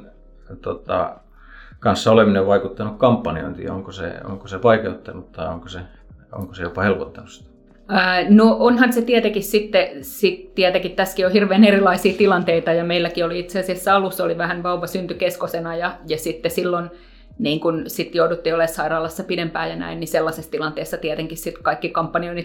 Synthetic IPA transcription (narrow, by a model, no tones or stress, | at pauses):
t̪ot̪ɑ̰ | kɑnsːɑolemineʋʋɑikut̪ːɑnukkɑmpːɑnio̰int̪ḭo̰ŋkosḛo̰ŋkosepɑikeut̪ːɑnut̪t̪ɑio̰ŋkose | o̰ŋkosejopɑhelpot̪ːɑnust̪æ̥ | əːnoonhɑnset̪iɛt̪ekissit̪ːesit̪t̪iɛt̪ekit̪t̪æskiohirʋeːnerilɑisiːt̪ilɑnt̪eit̪ɑjɑmeilːækioliit̪seɑsiæsːæɑlusːoliʋæhænʋɑuʋɑsynt̪ykeskosenɑjɑjɑsit̪ːesilːon | niːŋkunsit̪joudut̪ːiolessɑirɑːlɑsːɑpidempæːjɑnæ̰inniselːɑsest̪ilɑnt̪eːsːɑt̪iɛt̪eŋkissit̪kɑikːikɑmpːɑnioini